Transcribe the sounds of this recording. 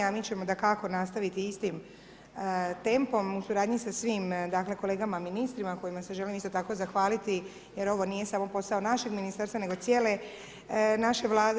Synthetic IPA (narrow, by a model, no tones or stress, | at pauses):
amit͡ɕe̞mo̞d̪akako̞nast̪aʋit̪iist̪im | t̪e̞mpo̞musuɾaːd̪ɲisasʋimd̪akle̞ko̞le̞ːɡamaminist̪ɾimako̞jimase̞ʒe̞limist̪o̞t̪ako̞zaxʋaːlit̪i | je̞ɾo̞ʋo̞nije̞samo̞po̞sao̞naʃe̞ɡminist̪aɾst̪ane̞ɡo̞t̪sje̞ːle̞ | naʃe̞ʋlˠaːd̪